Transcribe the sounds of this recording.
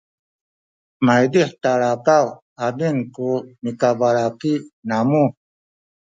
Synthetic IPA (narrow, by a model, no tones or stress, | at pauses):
majd̪iħt̪aɭakaw | abiŋkumikabaɭakinamu